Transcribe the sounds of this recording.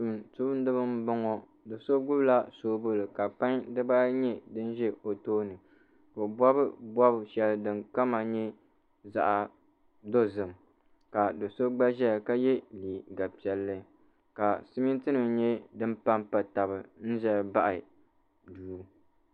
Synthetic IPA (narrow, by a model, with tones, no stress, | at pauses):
tu˦bn˦dɨ˦bɨ˦m˦bɔ˦ŋɔ˨ | do˨so˦ɡʊ˦bla˦soː˦bo˦lɨ˨ka˨pa˦ŋdɨ˦baː˦ɲɛ˦dɨ˦n˦ʒɛ˦o˨toː˦nɨ˨ | ko˨bɔ˦bɨ˦bɔ˦bʃɛ˦lɨ˦dɨ˨ŋka˦ma˨ɲɛ˦ | za̰˨ʔa˨ | do˦zɨ˨m | ka˨do˨so˦ɡ͡ba˦ʒɛ˦˨ka˦jɛ˦liː˨ɡa˨pi˨˦ɛ˦lːɨ˦ | ka˨sɨ˦mi˦n˦tɨ˦nɨ˨mɲɛ˦dɨ˦m˦pa˦mpa˨ta˨bɨ˨n̩˦ʒɛ˦ba˦ʔɪ˨ | duː˨˦